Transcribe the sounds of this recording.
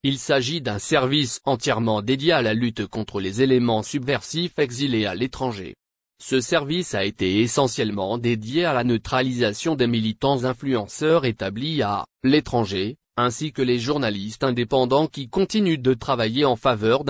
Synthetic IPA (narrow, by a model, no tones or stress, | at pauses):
ilsaʒid̪ɛ̃sɛʁvisɑ̃t̪jɛʁmɑ̃d̪ed̪jealalyt̪kɔ̃t̪χəlezelemɑ̃sybvɛʁsifɛɡzilealet̪χɑ̃ʒḛ | səsɛʁvisaet̪eːsɑ̃sjɛlmɑ̃d̪ed̪jealanət̪χalizasjɔ̃d̪emilit̪ɑ̃zɛ̃flyɑ̃sœʁet̪ablia̰let̪χɑ̃ʒe | ɛ̃sikəleʒuʁnalist̪ɛ̃d̪epɑ̃d̪ɑ̃kʲikɔ̃t̪inyd̪ət̪χavajeɑ̃favœʁd̪